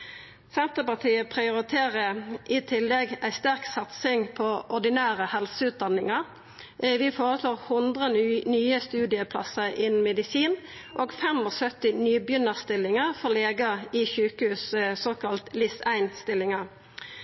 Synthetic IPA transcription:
sɛnt̪əpɑt̪ʰiːəpʰʁɪʊʁɪt̪ʰeːʁəʔɪt̪ʰɪlːɛɡæɪst̪æʁksɑt̪sɪŋpʰɔʔɔɖ̪ɪnæːʁəhɛlsəʉːt̪̚d̪ɑnɪŋɑʁ | ʋiːfoːʁəsloːʁhʊnd̪ʁənyːəst̪ʉːd̪ɪəpʰlɑ̰səʁʔɪnn̩mɛd̪ɪsiːn | ʔoːɡfɛmɔsœt̪ɪnyːbjʏnəʁst̪ɪlːɪŋəfɔʁleːɡəɪçʉːkəhʉːssoːkɑlt̪lɪsæɪnst̪ɪlːɪŋɑʁ

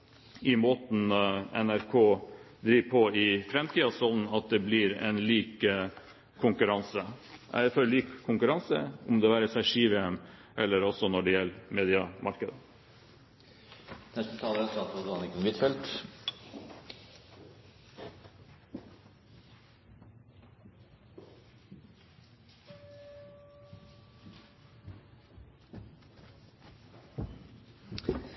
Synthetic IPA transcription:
ɪmoːt̪n̩ɛ̰næɾkʰoː | d̪ɾiːʋpʰɔɪfɾɛmt̪ʰiːɑsɔd̪n̩ɑt̪̚d̪ɛblɪɾɛ̰nliːkə | kʰʊŋkʉɾɑnsəʔæ̰fɔɾliːkʰːʊŋkʉɾɑnsəɔmd̪ɛːʋæːɾəsæʂiːʋəən | ʔɛlːəɾɔsɔnɔɖɛjɛlːmeːd̪ɪɑmʔɑɾkəd̪ə | nɛst̪ət̪ʰɑːləɾɛsɑːt̪əd̪ɑnɪkʉmʋɪt̪fɛlt̪

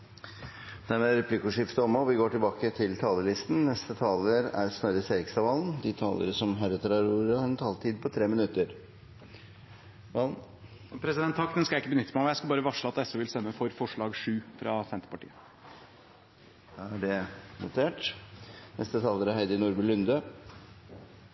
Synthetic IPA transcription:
d̪̥æɾmeːɾɛpʰlɪkʊʂɪft̪əɔmɔʋɪɡoːʈɪlbɑːkət̪ʰɪlt̪ʰɑːləlɪst̪n̩nɛst̪ət̪ʰɑːləɾæ̰ɾsnœɾəseːɾɪksɑʋɑːlnd̪ɪt̪ʰɑːlə̰ɾəsɔmɦæɾɛt̪əɾɑɾuːɾəhɑɾɛnt̪ʰɑːlt̪ʰiːd̪̚pʰɔt̪ʰɾeːmɪnʉt̪ːəɾ | ɑ | pʰɾɛsɪd̪ɛnt̪ʰːɑkt̪ənskɑjæɪkːəbənʏt̪ːəmɛjæɪskɑlbɑːɾəʋɑʂɭəɑt̪ɛsʉʋɪlst̪ɛmːəfɔɾfɔʂɭɑːɡʂʉːfɾɑsɛnt̪ə̥pɑʈḭːə | d̪ɑæɖɛnʊt̪ʰeːʈ | nɛ̰st̪ət̪ʰɑːləɾæɾhæɪd̪ənʊːɾbʉlʉnd̪ə

